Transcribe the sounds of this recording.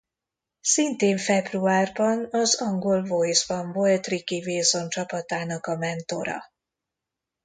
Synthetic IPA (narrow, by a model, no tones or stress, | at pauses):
sint̪eːɱfɛbruaːrbɒnɒzɒŋɡo̞lvo̞jzbɒɱvo̞lt̪rikiveːzo̞nt͡ʃɒpɒt̪aːnɒkɒmɛnt̪o̞̰ɾɒ̰